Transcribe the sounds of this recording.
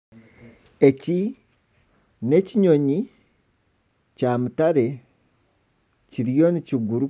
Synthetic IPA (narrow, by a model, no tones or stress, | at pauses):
eci | ne̞ciɲo̞ɲi | camutaɾe̞ | ciɾijoniciɡuɾu